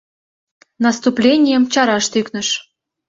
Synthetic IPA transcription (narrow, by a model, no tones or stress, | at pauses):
nɑst̪uplʲenʲijəmt͡ɕɑɾɑʃt̪yknə̆ʃ